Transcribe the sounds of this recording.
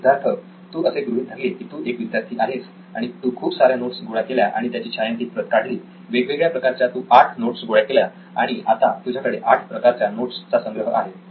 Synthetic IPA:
ud̪ʱaɾt̪ʰə | t̪uːʔəseɡɾuɦiːd̪ʱaɡekiːt̪uːʔekʋid̪jaɾt̪ʰiːʔaɦes | aɽ̃it̪uːkʰuːpsaɾjanoʈsɡoɭakeljaʔa̰ɽit̪jat͡ɕiːɕajənt̪iːt̪̚pɾət̪kaɽliː | ʋeɡʋeɡɭjapɾəkaɾt͡ɕjat̪uːʔaʈʰnoʈsɡʱoɭakelja | aɽ̃iat̪at̪ud͡ʑʱjakəɽeʔaʈʰpɾəkaɾt͡ɕjanoʈst͡sasə̃ŋɡɾəɦəʔaɦe

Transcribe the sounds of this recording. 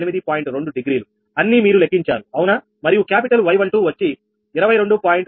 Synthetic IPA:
nimid̪ipaːjiɳʈɾe̞ɳɖuɖiɡɾiːlu | ɐnːimiːɾulekːiɲt͡ʃaːnuɐwuna | mɐɾijukjaːpiʈɐlʋɐjʋɐɳʈuːʋɐt͡ʃːiː | ɾɐʋɐjɾo̞ɳɖupaːjiɳʈ

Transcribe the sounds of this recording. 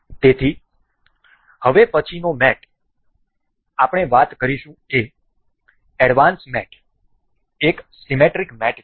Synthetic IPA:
t̪et̪ʰi | həʋepət͡ʃʰinomɛʈ | apɳ̃eʋat̪kəɾiʃũe | ɛɽʋansmɛʈʰ | eksimeʈɾikmɛʈ

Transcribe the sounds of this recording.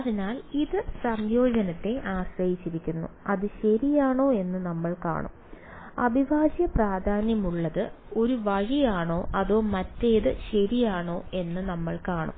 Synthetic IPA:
ɐðinaːliðɨsɐmjo̞ːd͡ʑɐnɐt̪ːe̞ʔaːɕrɐjit͡ɕːiɾikʲːunːṵɐðɨɕɐɾijaːɳo̞ːe̞nːɨnɐmːɐɭka̰ːɳṵm | ɐ̰bʱiʋaːɕjɐpraːd̪ʱaːnjɐmuɭːɐðɨ | o̞ɾuʋɐɻijaːɳo̞ːʔɐðo̞ːmɐtːe̞ːðɨɕɐɾijaːɳo̞ːe̞nːɨnɐmːɐɭkaːɳṵm

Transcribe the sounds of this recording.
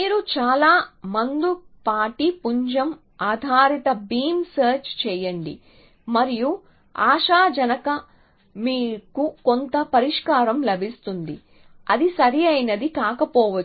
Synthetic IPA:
miːɾut͡ʃaːlaːmɐnd̪upaːʈipuɲd͡ʒɐm | aːd̪ʱaːɾit̪ɐbiːmsɐːɾt͡ʃt͡ʃɛːjɐɳɖḭ | mɐɾiju | aːʃaːd͡ʒɐnɐkɐ | miːkukont̪ɐpɐɾiʂkaːɾɐmlɐbʱist̪und̪ḭ | ɐd̪isɐɾiɐjnɐd̪ikaːkɐpɔːʋɐ

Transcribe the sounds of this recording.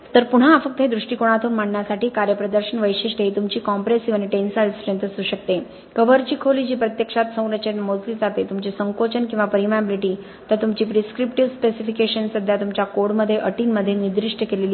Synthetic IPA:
t̪əɾpuɳ̤aːfək̚t̪ɦed̪ɾuʂʈikoɽ̃at̪uːnm̤aɳɳjasaʈiːkaɾjəpɾəd̪əɾɕənʋəjɕiʂʈeit̪umt͡ɕiːkɔmpɾesiʋaniʈensalsɾẽnt̪əsuːɕək̚t̪e | kəʋəɾt͡ɕiːkʰoliːd͡ʑiːpɾət̪jəkʂat̪sə̃w̃ɾət͡ɕenmod͡zliːd͡zat̪et̪umt͡ɕisəŋkot͡ɕənkĩw̃ʋapəɾimabiliʈiː | t̪ət̪umt͡ɕiːpɾiskɾipʈiʋspesifikeɕənsəd̪ʱːjat̪umt͡ɕjakoɽməd̪ʱːjeʔəʈiːnməd̪ʱːjenid̪ɾiʂʈəkeleliː

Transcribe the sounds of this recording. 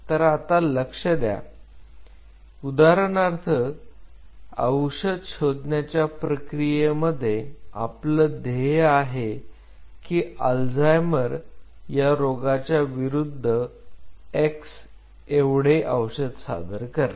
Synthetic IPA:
t̪əɾat̪aləkʂəd̪ja̰ | ud̪aɾəɳaɾt̪ʰə | ə̰wɕəd̪ɕod̪ɳjat͡ɕjapɾəkɾijeməd̪ʱːjea̰pləd̪eaɦe | kiːəld͡zajməɾjaɾoɡat͡ɕjaʋiɾud̪ʱːə | eks | eʋɽeʔəwɕəd̪sa̰d̪əɾkəɾa

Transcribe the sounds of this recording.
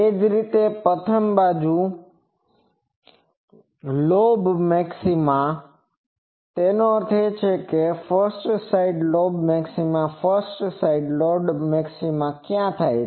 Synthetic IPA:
ed͡ʒɾit̪epət̪ʰəmbad͡ʒu | lobmɛksimã | t̪enoəɾt̪ʰet͡ʃʰekefəɾsʈsaiɖlobmɛksimãfəɾsʈsaiɖloɖmɛksimãkjãt̪ʰaj

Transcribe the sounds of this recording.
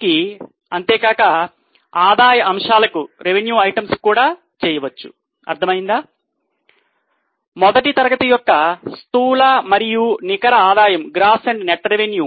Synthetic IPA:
ki | ɐnt̪eːɡaːkɐ | aːd̪aːjɐʔɐmʂaːlɐkuɾe̞ʋenjuːɐjʈɐmskuːɽaː | t͡ʃɛːjɐʋɐt͡ʃːu̥̰ | ɐ̰ɾt̪ʰɐmɐjind̪aː | mɔd̪ɐʈit̪ɐɾɐɡɐt̪ɐjɔkːɐst̪uːlamɐɾijunikɐɾɐaːd̪aːjɐmɡɾaːsɐɳɖneʈɾeʋenjuː

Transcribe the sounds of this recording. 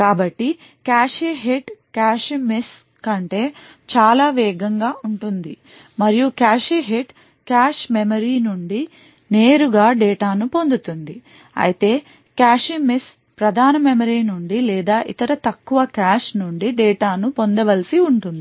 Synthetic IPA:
kaːbɐʈːi | kaːʃeːɦeʈkaːʂmes | kɐɳʈe̞ː | t͡ʃaːlaːʋɛːɡɐŋɡaːʔuɳʈund̪i | mɐɾijukaːʃeːɦeʈ | kaːʂmemɐɾiːnuɳɖi | ne̞ːɾuɡaːɖɛːʈaːnupo̞nd̪ut̪und̪i | ɐ̰jit̪e̞ː | kaːʃimes | pɾɐd̪ʱaːnɐmemɐɾiːnuɳɖilɛːd̪aːʔit̪ɐɾɐt̪ɐkːuʋɐkaːʂnuɳɖiɖɛːʈaːnupo̞nd̪ɐʋɐlisiuɳʈund̪i

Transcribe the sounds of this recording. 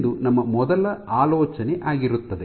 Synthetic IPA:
d̪unɐmːɐmɔd̪ɐlɐaːlɔːt͡ʃɐneʔaːɡiɾut̪ːɐd̪e

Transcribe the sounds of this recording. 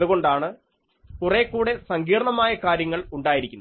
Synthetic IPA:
ðuɣo̞ɳɖaːɳɨ | kurekːuːɽe̞sɐŋɡiːrɳɐmaːjɐkaːɾjɐŋːɐɭuɳɖaːjiɾikʲːunː

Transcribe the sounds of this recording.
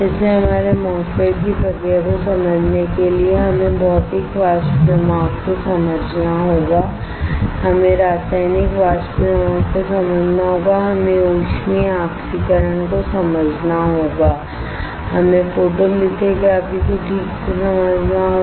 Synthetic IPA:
d͡ʒɛːseɦɐmaːɾemɔːkeːɖkipɐɡekosɐməd͡ʒʱnekelieɦɐmẽbɔːt̪eːkʋaːspɾɪmaːɡkosɐməd͡ʒʱnaɦoːɡaː | hɐmẽɾaːsaːɪnɪkʋaːʃpɾmaːɡ̚kosɐməd͡ʒʱnaɦoːɡaɦɐmẽoːʃmiãːksikəɾəñkosɐməd͡ʒʱnaɦoːɡaː | hɐmẽfoːʈod̪ɪkʰekeəbʱikoʈʰiːksesɐməd͡ʒʱnaɦo

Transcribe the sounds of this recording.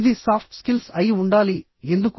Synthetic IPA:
ðisaːfʰʈskɪlsɐjʊɳɖaːli | end̪ɯkː

